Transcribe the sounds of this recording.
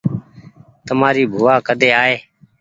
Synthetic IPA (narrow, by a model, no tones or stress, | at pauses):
t̪əmaːɾiːbʱuːaːkəd̪ʱeːaːeː